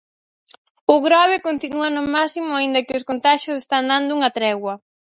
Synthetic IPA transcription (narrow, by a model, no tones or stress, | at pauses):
ʊɣɾɔβɪkont̪inuɐnʊmasimʊaind̪ɐkɪʊskont̪aʃʊsest̪and̪and̪ʊuŋɐt̪ɾɛɣwɐ